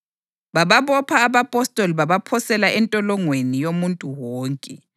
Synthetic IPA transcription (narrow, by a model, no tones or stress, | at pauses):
βaβaβɔpʰaːβapʼɔstʼɔliβaβapʰɔsɛlaʔɛntʼɔlɔŋwenijomuntʼuwɔːŋkʼɛ